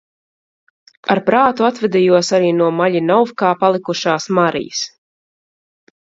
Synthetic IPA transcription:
aɾpɾaːt̪uat̪vɛd̪ijuɔsaɾiːnuɔmaʎʲinawfkaːpalˠikuʃaːsmaɾḭjəs

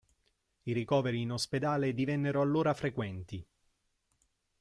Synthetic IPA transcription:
iɾikɔːveɾiːnosped̪aːled̪ivɛnːeɾoalːoːɾafɾekwɛnt̪i

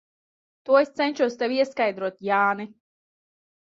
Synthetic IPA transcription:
t̪uɔest̪sɛnʲʃuɔst̪ɛvʲiɛskajd̪ɾuɔt̪jaːni

